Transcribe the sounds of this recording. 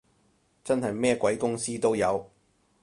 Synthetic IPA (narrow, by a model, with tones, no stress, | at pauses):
t͡sɐ˥nɦɐ˨jmɛː˥kʷwɐ˨˥jkʊ˥ŋsiː˥t̪o˥wjɐ˨˧w